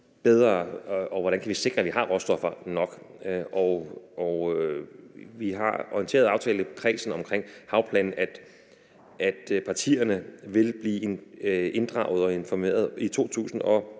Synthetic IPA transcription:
b̥eð̞ˠʁɐɒ̽ʋɒɾænkʰæʋise̝ɡ̥ʁɐæʋiɦɑ̈ʁɔsd̥ɒ̽fɐnɒ̽ɡ̥ʔɒɒ | ʋiɦɑ̈ɒiənt͡sʰe̝ːɐð̞ˠɑ̈ʊt͡sʰɛ̰ːləpʰʁɛːsn̩ɒ̽mkʰʁeŋ̰hɑ̈ʊpʰlɛ̰ːnn̩ʔæd̥ | æd̥pʰɑ̈t͡sʰḭːɐnəʋe̝lb̥liː | e̝nd̥ʁɑ̰̈ʊðˠɒ̽e̝nfɒme̝̰ːɐð̞̩ˠit͡sʰo̝̰ːt͡sʰṵːsn̩ɒ̽

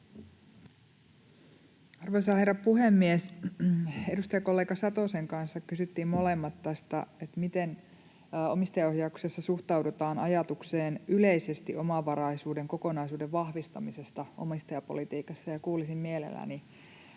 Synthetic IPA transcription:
ɑrʋoisɑːherɑpuhemːies | e̞dust̪ɑjɑko̞lːeːɡɑsɑt̪oseŋkɑnsːɑkkysyt̪ːiːmmo̞lemːɑt̪ːɑst̪ɑet̪mit̪en | o̞̰mist̪ɑjɑohjɑuksesːɑsuht̪ɑwdet̪ɑːnɑjɑt̪ukseːnʔyleisest̪iʔo̞mɑʋɑɾɑisuːdeŋko̞ko̞nɑisuːdeʋʋɑhʋist̪ɑmisest̪ɑʔo̰mist̪ɑjɑpo̞̰lit̪iːkɑsːɑjɑkuːlisimmielḛlːæ̰ni

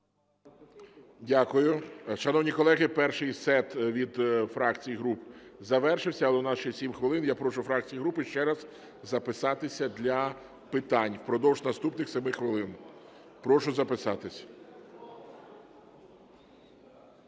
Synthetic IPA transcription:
dʲakʊjʊʃɐnɔwnʲikɔlˠɛɦɪpɛrʃɪjsɛt̪ʋʲid̪fɾɑkt͡sʲijiɦɾupzɐʋɛrʃɪwsʲɐlˠɛnɑʃɪxsʲimxʋɪlˠɪnjapɾɔʃʊfɾɑk̚t͡sʲijiɦɾupɪʃt͡ʃɛɾɐz̥ | zɐpɪsɑt̪ɪsʲɐd̪lʲɐ | pɪt̪ɑnʲpɾɔd̪ɔwʒnɐst̪upnɪxsʲɛmɪxʋɪlˠɪn | pɾɔʃʊzɐpɪsɑt̪ɪsʲɐ̥

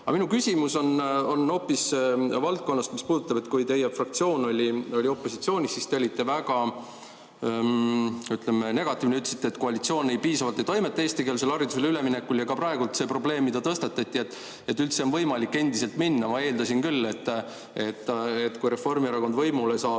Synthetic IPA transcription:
ɑminukysʲimuso̞no̞nːo̞ːpːisvɑlt̪̚ko̞nːɑst̪mispuːd̪̥ut̪ːɑbe̞t̪ːkujt̪e̞jefrɑk̚t̪sio̞ːno̞lʲio̞lʲio̞pːˑo̞sit̪sio̞ːnʲisːist̪eolʲit̪ːˑe̞væɡ̥ɑ | yt̪lemene̞ɡ̥ɑt̪ːˑiːvneyt̪lesi̥t̪ːeːt̪ko̞ɑlʲit̪sio̞ːnːe̞jpiːsɑvɑlt̪ejt̪o̞jmet̪ːɑeːst̪ike̞ːlselɑɾid̪use̞lyle̞mine̞kːuljɑkɑprɑeɡult̪se̞pro̞ble̞ːmːid̪ɑt̪ɤst̪ɑt̪ːˑɑt̪ʲːˑiet̪ːˑ | e̞t̪ːˑylt̪seonvɤ̞jmɑlikːe̞nd̪ise̞lt̪minːɑmɑe̞ːld̪ɑsinkylːe̞t̪ː | e̞t̪ːˑet̪ːkujɾe̞fo̞rmieɾɑko̞nd̪vɤjmulejsɑː

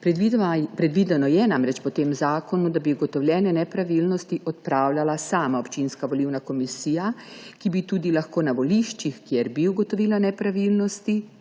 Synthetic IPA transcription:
pɾipɾɛd̪ʋiːd̪ɛnɔjɛnamɾɛt͡ʃpɔt̪eːmzaːkɔnud̪abiuɡɔt̪ɔwljɛːnɛnɛpɾaʋilnɔst̪iʔɔt̪̚pɾaːwlʲjalasaːmaopt͡ʃinskaʋɔliwnakɔmisiːjakibit̪uːd̪ilaxkoːnaʋɔliʃt͡ʃixkjɛɾbiuɡɔt̪ɔʋiːlanɛpɾaʋilnɔst̪i

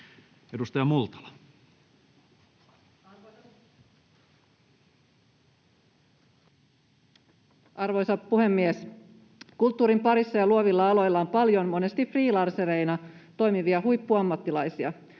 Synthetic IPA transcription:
edust̪ɑjɑmult̪ɑ̥lɑ̥ | ɑrʋo̞jsɑppuhe̞mːies | kult̪ːuːɾimpɑɾisːɑjɑluoʋilːɑɑlo̞jlːɑompɑljo̞nmone̞st̪ifriːlɑrseɾe̞jnɑt̪o̞jmiʋiɑhujpːuɑmːɑt̪ːilɑjsiɑ

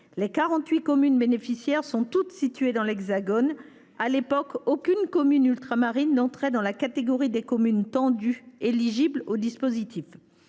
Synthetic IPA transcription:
lekaʁɑ̃t̪ɥikɔmynbenefisjɛʁsɔ̃t̪ut̪sit̪ɥed̪ɑ̃lɛɡzaɡɔn | alepɔkokʲynkɔmynylt̪χamaʁinːɑ̃t̪χɛd̪ɑ̃lakat̪eɡɔʁid̪ekɔmynt̪ɑ̃d̪yeliʒiblod̪ispozit̪ʰif

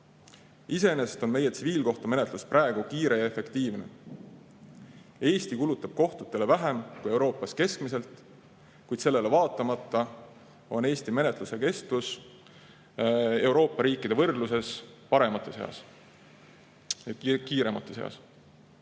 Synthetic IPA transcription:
ise̞eneset̪o̞nme̞je̞t̪siviːlko̞ht̪ome̞ne̞t̪lusprʔæeɡ̥ukiːɾe̞jɑefe̞kt̪iːvne̞̰ | e̞ːst̪ikulut̪ːˑɑb̥̚ko̞ht̪ut̪ːˑe̞le̞væɦe̞mkuje̞wɾo̞ːpːˑɑske̞skmise̞lt̪ˑ | kujd̪̥se̞lːe̞le̞vɑːt̪ːˑɑmɑt̪ːˑɑ | o̞̰ne̞ːst̪ime̞net̪ˑluse̞ke̞st̪us | e̞uwɾo̞ːpːˑɑɾiːkːˑid̪̥e̞vɤrd̪luse̞spɑɾe̞mɑt̪ːˑesḛɑ̰s | jɑkiːɾe̞mɑt̪ːˑeseɑ̰s

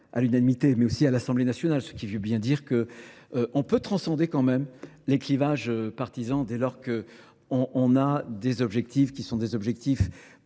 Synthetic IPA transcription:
a̰lynanimit̪emɛosialasɑ̃blenasjɔnalsə̥kʲivøbjɛ̃d̪iʁkəʔɔ̃pøt̪χɑ̃sɑ̃d̪ekɑ̃mɛmleklivaʒøpaʁt̪izɑ̃d̪elɔʁkə | ɔ̃ʔɔ̃nad̪ezɔbʒɛk̚t̪ifkʲisɔ̃d̪ezɔbʒɛk̚t̪if

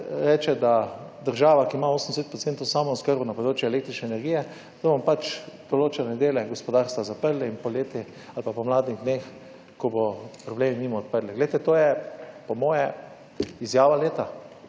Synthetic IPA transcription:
ɾɛːt͡ʃɛd̪ad̪əɾʒaːʋakiːmaoːsənd̪eset̪̚pɾɔt̪sent̪oʊsaːmɔɔskəɾbunapɔd̪ɾoːt͡ʃjɛlekt̪ɾit͡ʃnɛːnɛɾɡijɛ | t̪obɔmpat͡ʃd̪̥oloːt͡ʃɛnɛd̪eːlɛɡospɔd̪aɾst̪ʋazapəɾlɛinpɔleːt̪i | alpapɔmlaːd̪niɣd̪neːx | kɔbɔpɾɔbleːminiːmɔɔt̪̚pəɾlɛɡlejt̪ɛt̪oːjɛpɔmɔːjɛ | izjaːʋaleːt̪a

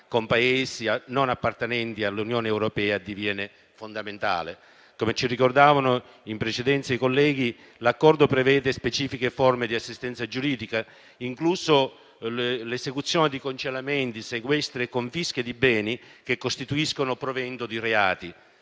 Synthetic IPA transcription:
kompaeːsianonapːart̪enɛnt̪ialːunjoːnewɾopɛːad̪ːivjɛːne | fond̪ament̪a̰ːle | komet͡ʃirikord̪aːvanʊ | impɾet͡ʃed̪ɛnt̪saikolːɛːɡi | lakːɔrd̪ʊpɾevɛːd̪espet͡ʃiːfikefɔrmɪd̪iasːist̪ɛnt̪sad͡ʒuɾiːd̪ika | iŋkluso | lesekut̪sːjɔːned̪ikont͡ʃelament̪iseɡwɛst̪ɾekoɱfisk̟ed̪ibɛːnikekːost̪it̪uiskonʊpɾovɛnt̪ʊd̪ireaːt̪i

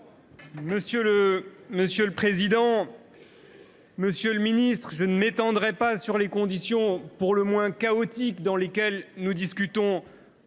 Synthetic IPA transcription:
məsjøləməsjøləpχezid̪ɑ̃ | məsjøləminist̪χəʒənəmet̪ɑ̃d̪ʁɛpasyʁlekɔ̃d̪isjɔ̃puʁləmwɛ̃kaɔt̪ikd̪ɑ̃lekʲɛlnud̪iskʲyt̪ɔ̃

